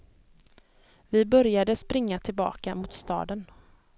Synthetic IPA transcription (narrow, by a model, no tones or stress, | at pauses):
vɪbœɾjad̪əspɾɪŋːat̪ʰɪlbɑ̰ːkamʊt̪st̪ɑ̰ːd̪ən